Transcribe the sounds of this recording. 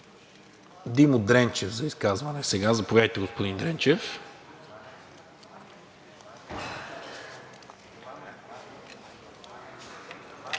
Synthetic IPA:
d̪imod̪ɾɛnt͡ʃɛvzɐiskazvɐnɛsɛɡazɐpovjad̪əjt̪ɛɡospod̪ind̪ɾɛnt͡ʃɛf

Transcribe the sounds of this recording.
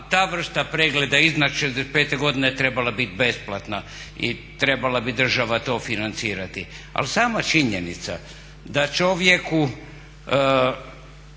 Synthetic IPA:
t̪aːʋr̩st̪apɾeɡle̞d̪aiznat͡ʃʃezd̪espe̞ːt̪eɡo̞d̪inet̪ɾe̞balabit̪be̞splˠat̪na | ḭt̪ɾe̞balabid̪r̩ʒaʋat̪o̞ːfinant̪siːɾat̪ia̰lsaːmat͡ʃiɲenit̪sa̰ | d̪at͡ʃoʋje̞ku

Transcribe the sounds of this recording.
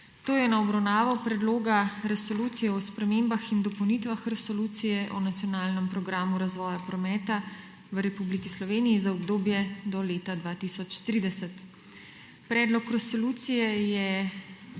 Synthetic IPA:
t̪oːjɛnaɔbɾawnaːʋɔpɾɛd̪loːɡaɾɛsoluːt̪sijɛɔspɾɛmembaxind̪ɔpɔwnit̪ʋaxɾɛsɔluːt̪sijɛʔɔnat̪sijɔnaːlnəmpɾɔɡɾaːmuɾazʋɔːjapɾɔmɛːt̪a | ʋɾɛpublikislɔʋeːnijizaɔbd̪oːbjɛd̪ɔleːt̪ad̪ʋaːt̪isɔt͡ʃt̪ɾiːd̪ɛsɛt̪ | pɾɛːd̪lɔkɾɛsoluːt̪sijɛjɛ

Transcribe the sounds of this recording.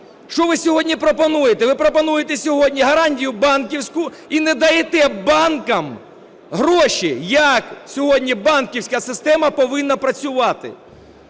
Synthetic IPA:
ʃt͡ʃɔʋɪsʲɔɦɔdʲnʲipɾɔpɔnujet̪ɛʋɪpɾɔpɔnujet̪ɛsʲɔɦɔdʲnʲiɦɐɾɑnʲtʲijʊbɑnkʲiwsʲkʊ | inɛd̪ɐjet̪ɛbɑnkɐm | ɦɾɔʃʲijɐksʲɔɦɔdʲnʲibɑnkʲiwsʲkɐsɪst̪ɛmɐpɔʋɪnːɐpɾɐt͡sʲʊʋɑt̪ɪ̰

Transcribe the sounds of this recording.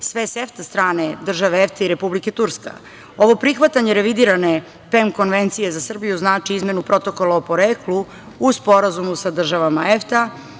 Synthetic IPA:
sʋeseft̪ast̪ɾaːne̞d̪r̩ʒaʋeeft̪eiɾe̞publike̞t̪uɾska̰ | o̞ʋo̞pɾixʋat̪aɲeɾe̞ʋid̪iːɾane̞ | pemko̞nʋent̪sije̞zasr̩bijuznaːt͡ʃiizmje̞nupɾo̞t̪o̞ko̞laopo̞ɾeːklu | uspo̞ɾazumusad̪r̩ʒaʋamaeft̪a

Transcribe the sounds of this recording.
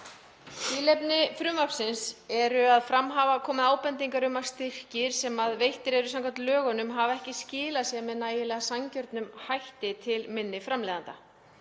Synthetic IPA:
iːlɛpnɪfɾʏːmapsɪnsɛɾʏaðfɾamɦaːvakʰɔːmɪðaːwpɛnt̪̬iŋkaɾʏmast̪ɪr̥cɪɾ̥sɛmaðvejht̪ɪɾɛɾʏsamkʰḁt̪lœːɣanʏmɦavɛhcɪscɪːlasjɛmɛðnaːjɪlɛːɣasaɲcœɾt̪nʏmhajht̪ɪt̪ʰɪlmɪnːɪfɾamlɛːðant̪a

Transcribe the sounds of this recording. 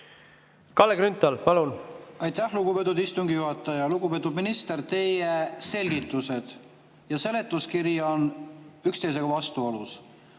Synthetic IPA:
kɑlːekɾynt̪ːˑɑlpɑlunɑjt̪ːˑæhluɡ̥upe̞t̪̬ud̪ist̪uŋɡijuɦɑt̪ːˑɑjɑluɡube̞t̪ːˑud̪minist̪e̞rt̪e̞jese̞lʲɡit̪ːˑuse̞d̪̥ | jɑse̞le̞t̪ːˑuskiɾjɑonykst̪ejs̬e̞ɡ̥ɑvɑst̪uolus

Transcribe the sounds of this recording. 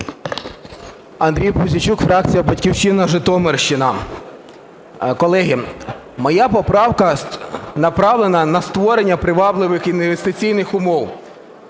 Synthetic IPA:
ɐnd̪ɾʲijpʊzʲɪt͡ʃukfɾɑk̚t͡sʲijɐbɐtʲkʲiwʃɪnɐʒɪt̪ɔmerʃt͡ʃɪnɐ | kɔlˠɛɦi | mɔjapɔpɾɑwkɐnɐpɾɑʋlˠenɐnɐst̪ʋɔɾenʲːɐpɾɪʋɑblˠɪʋɪxinʋʋest̪ɪt͡sʲijnɪxʊmɔw

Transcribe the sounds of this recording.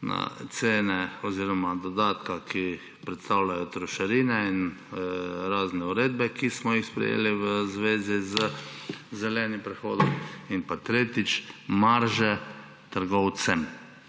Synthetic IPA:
na̰t̪seːnɛɔziːɾɔmad̪ɔd̪aːt̪kakʰi | pɾɛt̪st̪aːwlʲajɔt̪ɾɔʃaɾiːnɛin | ɾaːznɛuɾeːd̪̚bɛkismɔjixspɾɛ̰jḛːliʋəzʋeːzizəzɛlɛːnimpɾɛxo̰ːd̪ɔminpat̪ɾeːt̪it͡ʃmaɾʒɛ | t̪əɾɡɔwt̪sɛm

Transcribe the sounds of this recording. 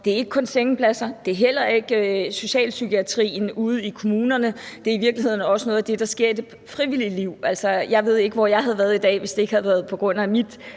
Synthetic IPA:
d̥e̝æɐe̝ɡ̥̚kʰɔ̽nseŋəpʰlæsɐd̥e̝æɐɦel̰ɐe̝ɡ̥øso̝ɕɛ̰ːlsykʰiæt͡sʰʁḭːn̩uð̞̩ˠikʰo̝muːnɐnəd̥e̝æɐiʋiɐɡ̥lihe̝ð̰ˠn̩ɒ̽səno̽ːð̩ˠæd̥e̝d̥ɑ̈sɡ̥e̝ɐ̰id̥e | fʁiʋiliəliʊ̰ælsɐjɑ̈ɪʋe̝ð̞̰ˠe̝ɡ̥əʋɒjɑ̈ɪɦæð̞ˠʋæːɐð̩ˠid̥ɛ̰ːʋe̝sd̥e̝e̝ɡ̥hæðˠʋæɐð̞̩ˠpʰɒ̽ɡ̥ʁɔ̽n̰æmid̥

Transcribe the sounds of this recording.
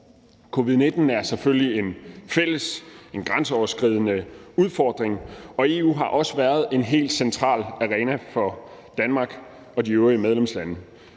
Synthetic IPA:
kʰo̝ːʋiðˠne̝d̥n̩æɐseføljie̝nfel̰əse̝nɡ̥ʁɑnsəɒʊɐsɡ̥ʁið̞̰ˠənəuð̞ˠfɒːd̥ʁeŋɒ̽e̝ṵːɦɑ̈ʔɒ̽səʋæːɐð̞̩ˠe̝nɦe̝̰ːld̥sent͡sʰʁɑ̰̈ːlæʁɛːnæfɒ̽ | d̥ænmɑ̈ːɡ̥ | ɒ̽diøʊʁiəmeð̞ˠlemslænə

